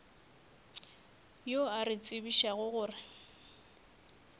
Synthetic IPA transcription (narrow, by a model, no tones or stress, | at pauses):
joarɪt͡sʼɪbiʃaɣʊɣʊːrɪ